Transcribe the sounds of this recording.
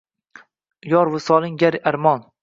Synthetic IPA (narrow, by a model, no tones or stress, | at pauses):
jɒɾvʊsɒlˠɪŋɡʲaɾaɾmɒn